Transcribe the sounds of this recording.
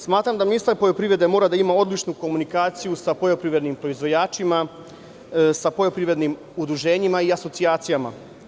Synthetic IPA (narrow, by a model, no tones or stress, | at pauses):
smaːt̪ɾamd̪aminist̪aɾpo̞jo̞pɾivɾe̞d̪emo̞ːɾad̪aimao̞d̪lit͡ʃnuko̞munikaːt̪sijusapojopɾiʋɾe̞d̪nimpɾoizʋo̞jaːt͡ʃima | sapo̞ʎo̞pɾiʋɾe̞d̪nim | ud̪ɾuʒe̞ːɲimaiaso̞tsiaːt̪sijama̰